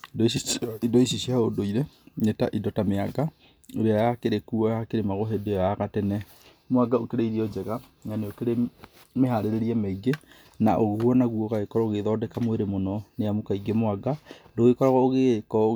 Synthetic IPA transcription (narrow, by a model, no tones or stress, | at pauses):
idɔiidɔisiʃiaodoiɾenetaʔidɔtameaɡa | oɾeajakeɾekuɔjakeɾemaɣoɦedeɔjaɣatɛnɛ | moaɡaokeɾeiɾiɔd͡ʒɛɣa | ŋaneokeɾe | meɦaɾeɾeɾiɛmeiɡe | naʔoɣohɔnaɣuɔɣaɣekɔɾɔoɣeðɔːdɛkamoweɾemonɔneamokaiɡemoaɡadoɣekɔɾɔɣɔoɣekɔ